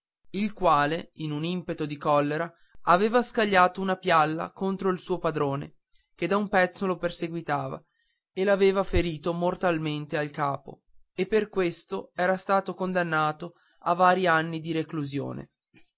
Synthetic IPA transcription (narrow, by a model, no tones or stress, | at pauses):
ilkwaːleinunimpet̪od̪ikɔlːeɾa | aveːvaskaʎːaːt̪ounapjalːa̰kont̪ɾoilsuːopad̪ɾoːnḛ | k̟ed̪aumpɛt̪sːoloperseɡwit̪aːva̰ | elaveːvafeɾiːt̪omort̪alment̪ealkaːpo̰ | epːerkwest̪oɛːɾast̪aːt̪okond̪anːaːt̪o | avaːɾianːid̪iɾekluzjo̰ːnḛ